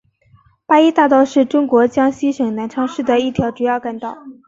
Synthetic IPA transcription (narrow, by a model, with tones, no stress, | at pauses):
pa˥i˥t̪a˥˧t̪ɑ˥˧ʊʂɻ̩˥˩ʈ͡ʂʊ˥ŋkwɔ˧˥t͡ɕjɑ˥ŋɕi˥ʂɤ˨˩ŋna˧˥nʈ͡ʂʰɑ˥ŋʂɻ̩˥˩d̪ə˩i˥˩t̪ʰjɑ˧˥ʊʈ͡ʂu˨˩jɑ˥˧ʊka˥˧nt̪ɑ˥˩ʊ